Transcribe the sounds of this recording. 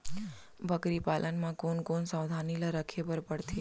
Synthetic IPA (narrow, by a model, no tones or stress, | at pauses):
bʱəkɾipalʔənmãkonkonsãwd̪ʱanilaɾəkʰepəɾpəɽt̪ʰe